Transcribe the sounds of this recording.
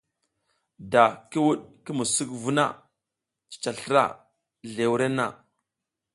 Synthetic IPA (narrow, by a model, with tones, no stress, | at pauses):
da˨ki˦wu˦ɗki˦mu˨su˦kvu˦na̰˦˨ | t͡ʃi̥˨t͡ʃa˨ɬɾa̰˦˨ | ɮe˨wu˦ɾe˦na̰˨